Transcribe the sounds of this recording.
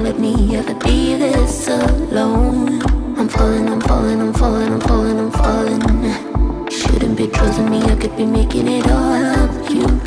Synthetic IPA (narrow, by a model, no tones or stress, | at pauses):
lɛt̚miɛvəb̥iðɪsəlõʊ̃nãɪ̃ɱfɑlˠɪ̃ŋãɪ̃ɱfɑlˠɪ̃ŋãɪ̃ɱfɑlˠɪ̃ŋãɪɱfɔlˠɪ̃ŋãɪ̃ɱfɔlˠɪ̃ŋa | ʃʊ̰dⁿn̩b̥ikʰʌzɨnmiaɪkɨd̚bimeɪkɪ̃ŋɪɾɔʌvjjʉ